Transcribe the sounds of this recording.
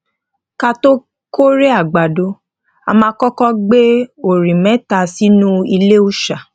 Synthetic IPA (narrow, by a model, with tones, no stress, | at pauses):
ka˦to˦ | ko˦ɾe˦a˦˨ɡ͡ba˨do˨˦ | a˧mãː˧˦kɔ˦kɔ˦ɡ͡be˦o˨ɾĩ˨mɛ̃˨˦ta˦˧si˦nũ˦i˧le˦u˦ʃa˨